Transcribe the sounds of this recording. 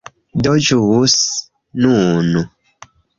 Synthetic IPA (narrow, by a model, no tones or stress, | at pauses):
dɔd͡ʒuwus | nũnu